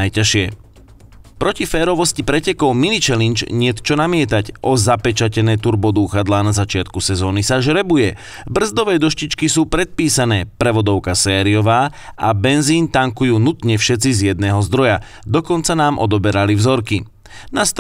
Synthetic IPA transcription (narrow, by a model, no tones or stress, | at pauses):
ajcaʃɪɛ | pɾɔcifɛːɾɔʋɔscipɾɛcɛkɔʊminit͡ʃɛlint͡ʃɲɪɛt̪t͡ʃɔnamɪɛt̪acʔɔzapɛt͡ʃacɛnɛːt̪uɾbɔd̪uːxad̪laːnazat͡ʃɪat̪kusɛzɔːnisaʒɾɛbujɛ | br̩zd̪ɔʋɛːd̪ɔʃcit͡ʃkisuːpɾɛt̪̚piːsanɛːpɾɛʋɔd̪ɔʊkasɛːɾiɔʋaː | abɛnziːnt̪aŋkujuːnut̪ɲɛfʃɛt͡sizjɛd̪̚nɛːɦɔzd̪ɾɔja | d̪ɔkɔnt͡sanaːmʔɔ̰d̪ɔbɛɾalivzɔɾki | nast̪